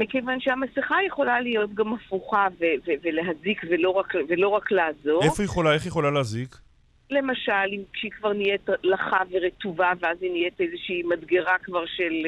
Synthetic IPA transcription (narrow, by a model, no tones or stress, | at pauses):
mikevanʃehamasiχajeχo̞lalijo̞tɡamafuχaveveveleɦazikvelo̞ʁakvelo̞ʁakleːzo̞efojeχolaeχjeχolaleazik | le̞maʃalimkʃeikvaʁnijetlaχaveʁetuvaveazinijetezeʃiːmadɡeʁakvaʁʃe̞l